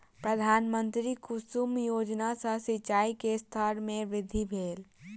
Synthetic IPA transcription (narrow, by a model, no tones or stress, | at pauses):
pɾəd̪ʱaːnmə̃nt̪ɾikʊsumjoːd͡ʒnasə̃sɪt͡ʃaːikest̪ʰəɾmẽʋɪd̪ʱibʱeːl